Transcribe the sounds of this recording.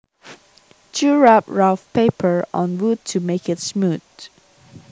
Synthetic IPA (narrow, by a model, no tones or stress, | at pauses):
t͡ʃʰuɹap̚ɹaʊfpeɪpʰə˞ɔ̰̃nwud̚tʰumeɪkɪtsmud̥